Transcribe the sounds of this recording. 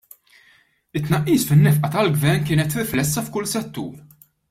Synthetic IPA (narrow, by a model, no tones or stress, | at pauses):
ɪt̪ːnɐʔːiːsfɪnːɛfʔɐt̪ɐlɡvɛɾnkɪːnɛt̪ɾɪflɛsːɐfkʊlsɛt̪ːṵːɾ